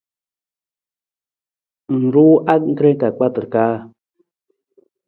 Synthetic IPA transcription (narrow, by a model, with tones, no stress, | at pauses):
n̩˨ɾu˦ʔa˦k̚ŋ̩˦kɾe˦ŋ˦ka˨k͡pa˦t̪ə˨ɾka˦